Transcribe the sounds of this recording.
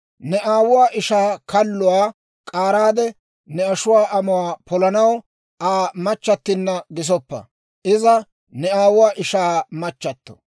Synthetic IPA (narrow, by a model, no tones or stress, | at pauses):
nɛʔaːwʊwaːʔɪʃaːkʰɐlːʊwaː | kʼaːɾaːd̪ɛ | nɛɐʃʊwaːʔɐmʊwaːpʰɔlɐnɐw | ʔaːmɐt͡ʃːɐt̪ːɪnːɐɡɪs̬ɔpːɐ̰ | ʔɪzɐ | nɛaːwʊwaːʔɪʃaːmɐt͡ʃːɐt̪ːɔ̥